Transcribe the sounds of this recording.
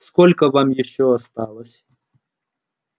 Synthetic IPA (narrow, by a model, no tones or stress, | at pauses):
skolʲkəvamjɪɕːoɐst̪alˠəsʲ